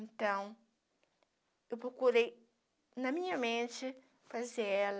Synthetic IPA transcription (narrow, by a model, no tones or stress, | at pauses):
ẽnt̪ɐ̃w̃ | ewpɾokuɾej | nɐmĩɲɐmẽnt͡ʃɪ | fazeɛl